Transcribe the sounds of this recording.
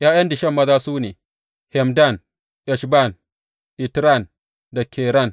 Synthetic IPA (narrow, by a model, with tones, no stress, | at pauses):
jaː˦jɐ˦ndɪ˨ʃɐ˦˨mːɐ˦zaː˦suː˦neː˨ | hɛ˨mda˦˨n | ʔɛ˨ʃba˦˨n | ʔɪ˨tɾa˦˨n | da˨kʲʰɛː˨ɾɐ˦˨n